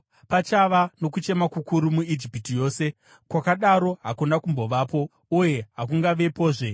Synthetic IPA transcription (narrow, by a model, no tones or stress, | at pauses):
pat͡ʃaʋano̞kut͡ʃe̞makukuɾumuid͡ʒipitijo̞ːse̞ | kwakaɗaɾo̞ɦakunakumbo̞ʋaːpo̞ | uje̞ɦak̬uŋɡaʋe̞poːʐe̞